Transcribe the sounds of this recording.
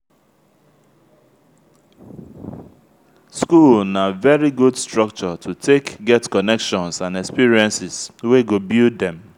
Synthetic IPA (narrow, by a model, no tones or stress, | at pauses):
skulnavɛɹiɡudstɹʌk̚t͡ʃɔtʰutʰekɡɛtkɔnɛkʃɔ̃nsãnɛkspiɹiɛ̃nsɪsweɡobildɛ̃m